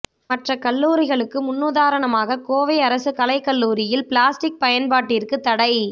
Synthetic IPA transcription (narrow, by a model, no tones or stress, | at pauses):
mɐʈrɐkɐɭːuːɾɪɣɐɭɯkːɯmʊnːuðaːɾɐɳɐmaːɣɐkoːʋɐɪɐɾɐsɯkɐlɐɪkːɐɭːuːɾɪjɪlpɪɭaːsʈɪk̚pɐjɐnpaːʈːiːrkɯt̪ːɐɽɐɪ